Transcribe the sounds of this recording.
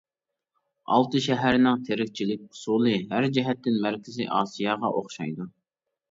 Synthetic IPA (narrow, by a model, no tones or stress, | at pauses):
ɑ̰lˠt̪ɨʃɛɦæɾnɪŋt̪ʰeɾɪk̚ʲt͡ʃʰilɪk̚ʲʊ̥sulˠɨɦæɾd͡ʒɛɦɛt̪ːɪnmæɾkʲʰɪzɪ̰ʔɑ̰ːsijɑːʁɑʔoχʃɑ̰jd̪u